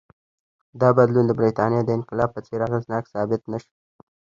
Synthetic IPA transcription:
d̪ɑbad̪lund̪əbɾit̪ɑnjed̪əɪnqɪlɑb̚pət͡seɾaɣəznɑksɑbɪt̪naʃi̥

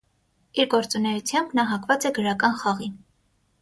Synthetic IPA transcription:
iɾɡɔɾt͡sunɛjut͡sʰjɑmbnɑɦɑkvɑt͡sɛɡəɾɑkɑnχɑʁin

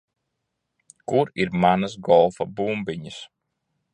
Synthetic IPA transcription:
kuɾiɾmanasɡɔlˠfɐbuːmbiɲəs

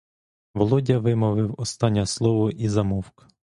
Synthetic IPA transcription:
ʋɔlˠɔdʲɐʋɪmɔʋɪwɔst̪ɑnʲːɐslˠɔʋɔʔizɐmɔwkɐ̥

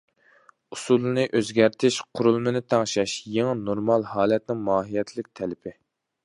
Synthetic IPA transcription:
usulˠɨnɨʔøzɡʲæɾt̪ʰɪʃqʰʊɾulˠmɨnɨt̪ʰɑŋʃɛʃjeŋɪnoɾmɑlˠhɑːlɛt̪nɪŋmɑːɦijɛt̪ʰlɪk̚ʲt̪ʰɛlɪpʰɪ

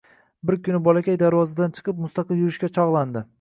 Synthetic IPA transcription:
bɪɾkʲʰʊnɪbɒlˠakʲajd̪aɾvɒzad̪ant͡ʃʰɨ̥qɨp̚mʊst̪ɑqʰɨlˠjʊɾɪʃkʲat͡ʃʰɒʁlˠand̪ɪ

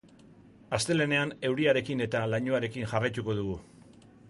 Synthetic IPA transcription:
ast̪e̞le̞ne̞ane̞wɾiaɾe̞kine̞t̪alaɲoaɾe̞kinʝarajt̪uko̞ðuɣu

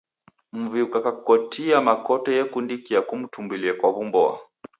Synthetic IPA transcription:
m̩viukakakɔtʰiamakɔtɔjɛkundikiakum̩tʰumbiliakwaβumbɔa̰

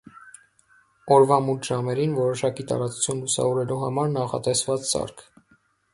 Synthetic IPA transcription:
ɔɾvɑmut̪ʰʒɑmɛɾinvɔɾɔʃɑkit̪ɑ̰ɾɑt͡su̥t͡sʰjunlusɑ̰vɔɾɛluɦɑmɑɾnɑχɑ̰t̪ɛsvɑt͡ssɑ̰ɾkʰ

